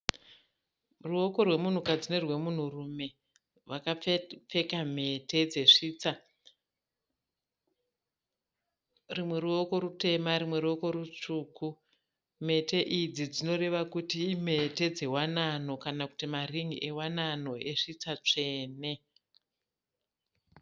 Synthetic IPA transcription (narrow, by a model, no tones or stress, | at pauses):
ruo̞ko̞rwe̞mun̤ukad͡zine̞rwe̞mun̤urume̞ | wakap͡fe̞kam̤e̞tʰe̞d͡ze̞ʂit͡sa | rimwe̞ɾuoko̞ɾute̞maɾimwe̞ɾuo̞ko̞ɾut͡ʂuːku | me̞te̞ʔiid͡zid͡zino̞re̞ʋakutiːm̤e̞te̞d͡ze̞wanano̞kanaku̥timariŋɡiʔe̞wanano̞eʂit͡sat͡ʂe̞ːne̞